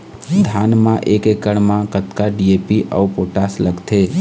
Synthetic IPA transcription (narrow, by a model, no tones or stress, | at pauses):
d̪ʱanmãʔekekəɽmãkət̪kaɖiepiʔə̰upoʈasləɡt̪ʰe